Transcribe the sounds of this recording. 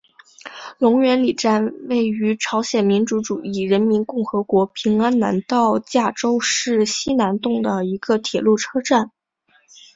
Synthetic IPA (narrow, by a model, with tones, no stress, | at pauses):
lʊ˧˥ŋɥɛ˧˥nli˨˩ʈ͡ʂa˥˧nwe˥˩ɪy˧˥ʈ͡ʂʰɑ˧˥ʊɕjɛ˨˩nmi˧˥nʈ͡ʂu˧˥ʈ͡ʂu˨˩i˥˩ɻə˧˥nmi˧˥nkʊ˥˩ŋxɤ˧˥kwɔ˧˥pʰi˧˥ŋa˥nna̰˧˥nt̪ɑ˥˧ʊt͡ɕja˥˩ʈ͡ʂo˥ʊʂɻ̩˥˩ɕi˥na˧˥nt̪ʊ˥˩ŋd̪ə˩i˧˥ɡ̥ə˧t̪ʰjɛ˨˩lu˥˩ʈ͡ʂʰɤ˥ʈ͡ʂa˥˩n